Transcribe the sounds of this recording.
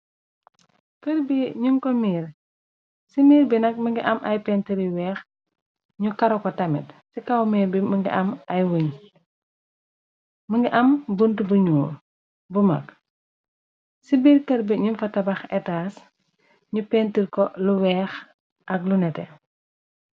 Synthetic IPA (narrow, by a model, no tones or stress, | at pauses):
kəɾbiɲuŋkɔmiːɾ | simiːɾbinɐk̚məŋɡiʔɐmʔɐjpɛːntiɾiwɛːx | ɲukɐɾɔkɔtɐmitsikɐwmiːɾbiməŋɡḭʔɐmɐjwəɲ | məŋɡiʔɐmbəntubuɲuːr | bumɐ̰k | sibiːɾkɐɾbiɲunfɐtɐbɐxɛtaːs | ɲupɛntirkɔluwɛːx | ʔɐk̚lunɛtɛ